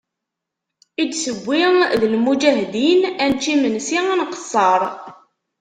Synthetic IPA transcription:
id̪səɡʷːiŋðəlmud͡ʒæɦd̪inænt͡ʃːimənsiinqə̥sˤːɑɾˤ

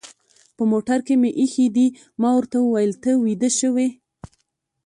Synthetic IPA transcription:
pəmoʈaɾkemeʔixid̪i | mɑwəɾt̪awəwajəlt̪əwid̪əʃəwe

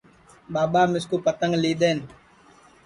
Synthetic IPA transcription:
ɓaːɓamɪskupat̪aŋliɗɛn

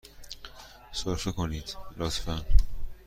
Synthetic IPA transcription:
sɒɾfekʰoniːd̪̥lɒːt̪ʰfæn

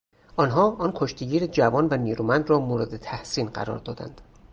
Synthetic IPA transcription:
ʔɒːnɦɒːʔɒnkʰoʃt̪ʰeɟiːɾed͡ʒævɒːnvæniːɾuːmænd̪ɾɒːmoːɾed̪et̪ʰæhsiːnɢæ̰ɾɒ̰ːɾd̪ɒːd̪æ̰nd̪̥

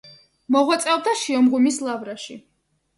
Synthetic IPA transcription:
mɔʁwat̪sʼɛɔb̚d̪aʃiɔmʁumislˠavɾaʃḭ

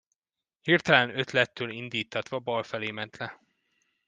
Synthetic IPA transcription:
hirt̪ɛlɛnø̞t̪lɛt̪ːøːlind̪iːt̪ʰːɒt̪ʋɒbɒlfɛleːmɛnt̪lɛ

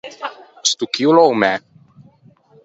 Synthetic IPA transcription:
st̪ukiwlɔwmɛ

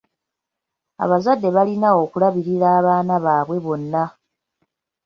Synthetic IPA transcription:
a̰βazadːe̞βalinao̞kulaβiɾiɾaːβaːnaβaːβwe̞βo̞nːa

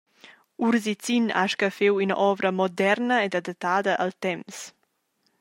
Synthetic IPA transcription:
uɾzit͡sina̰ʃkəfewynə̰ʔɔvɾəmɔd̪ɛɾnəed̪ad̪at̪ːaːd̪əʔəlt̪ɛms

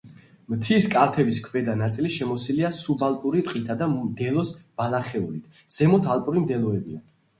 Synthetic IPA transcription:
mt̪ʰiskʼalt̪ʰɛbiskʰvɛd̪anat̪sʼiliʃɛmɔsiliasubalˠpʼuɾit̪ʼqʼit̪ʰad̪amd̪ɛlˠɔsb̥alaχɛulit̪ʰ | z̥ɛmɔt̪ʰalˠpʼuɾimd̪ɛlˠɔɛbia

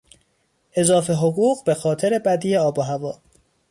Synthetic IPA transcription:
ʔe̞zɒːfe̞ɦoɣuːɢbe̞xɒːt̪ʰe̞ɾe̞bæd̪iːeɒːboɦævɒː

